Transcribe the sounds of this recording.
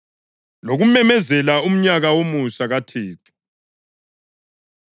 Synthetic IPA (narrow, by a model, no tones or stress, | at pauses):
loɣumɛmɛzɛlaum̩ɲaɣawomusaɣatʰeːtʰu̥